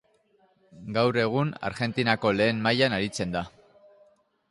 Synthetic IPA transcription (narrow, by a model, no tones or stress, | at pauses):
ɡawɾe̞ɣ̞una̰ɾɣe̞nt̪inako̞le̞ːmmajanaɾit͡se̞nd̪a